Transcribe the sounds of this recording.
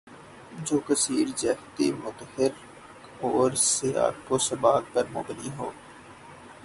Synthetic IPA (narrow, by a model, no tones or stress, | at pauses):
d͡ʒoːkəsiːɾzɛht̪ḭmʊt̪hɪɾ | oːɾsea̰ːkoːsəbaːk̚pəɾmʊ̰bniɦoː